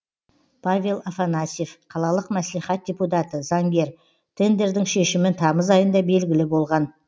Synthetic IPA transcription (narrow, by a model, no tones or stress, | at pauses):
pʰavʲe̞lˠafanasefqʰɑlˠɑlˠəqmæsliχæt̪̚dʲe̞put̪at̪əzɑŋɡʲe̞ɾ | t̪ʰe̞nd̪e̞ɾd̪ɪŋʃe̞ʃɪmɪnt̪ʰɑməzɑjənd̪ɑbe̞lɡʲɪlɪbo̞lˠʁɑn